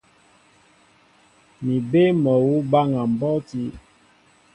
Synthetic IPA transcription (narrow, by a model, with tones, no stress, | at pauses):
mi˨be˦mɔ˨wu˦ba˦ŋa˨m̩˨bɔ˦ti˦